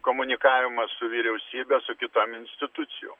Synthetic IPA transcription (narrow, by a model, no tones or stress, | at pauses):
koːmʊnʲɪkɑːʋʲɪmɐssʊʋʲiɾʲɛʊsʲiːbʲɛsʊkʲɪt̪oːmɪnʲsʲt̪ʲɪt̪ʊt̪sʲɪjo̰ː